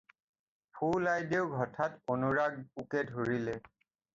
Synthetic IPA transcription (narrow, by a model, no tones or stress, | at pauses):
pʰulajdeʊɡʱɔtʰatonuɹaɡ̚ukɛdʱoɹilɛ